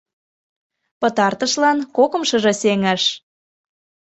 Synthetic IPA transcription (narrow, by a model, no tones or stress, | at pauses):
pɤ̆t̪ɑrt̪əʃlɑnkokɤ̆mʃɤ̆ʒɤ̆seŋæʃ